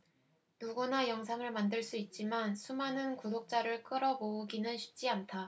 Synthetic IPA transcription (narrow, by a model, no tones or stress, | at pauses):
nuɡunajʌŋs̬ʰaŋɯɭmandɯɭs͈uit̚t͡ɕ͈imansʰumanɯnkudok̚t͡ɕ͈aɾɯɭk͈ɯɾʌbouɡinɯnɕʰi̥p̚t͡ɕ͈iantʰa